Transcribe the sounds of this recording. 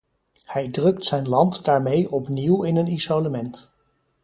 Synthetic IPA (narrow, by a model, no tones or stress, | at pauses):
hɛjdrɵktsɛjnlɑntdaːɹmejɔpniwɪnənisoləmɛnt